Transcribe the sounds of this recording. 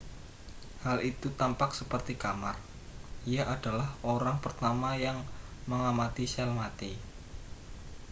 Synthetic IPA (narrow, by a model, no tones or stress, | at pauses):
halit̪ut̪ampaksəpərt̪ikamar | ijaʔad̥alahoɾaŋpərt̪amajaŋməŋamat̪iʃɛlmat̪i